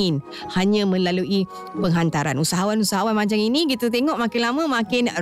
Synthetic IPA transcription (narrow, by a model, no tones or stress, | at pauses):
ɪn | haɲãmə̃lalui | pəŋɦant̪aɾanusaɦawanusaɦawanmãɲt͡ʃaminiɡit̪ət̪eŋɔʔmakɪnlamãmãkɪn